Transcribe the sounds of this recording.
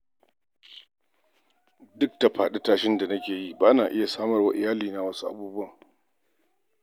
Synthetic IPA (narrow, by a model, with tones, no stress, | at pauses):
dʊ˦k̚ta˨ɸaː˨ɗɛ˦taː˨ʃɪ˦nda˨nɐ˦kʲeː˨ji˦baː˦naː˨ʔɪ˦ja˨saː˦mɐ˨rwa˦ʔɪ˨jaː˦liː˨na˨wɐ˦su˦ʔa̰˨buː˦bʊ˦ɐ˦˨ŋ